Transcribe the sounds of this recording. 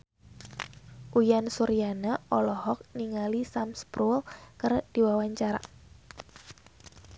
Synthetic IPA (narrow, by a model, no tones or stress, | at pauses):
ʔujansuɾijanaʔɔlɔɦɔk̚niŋalisamspɾulkərd̥iwawaɲt͡ʃaɾa̰